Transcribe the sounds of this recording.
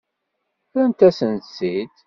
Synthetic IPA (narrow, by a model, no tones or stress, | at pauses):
ɾænt̪æsənt̪sid̪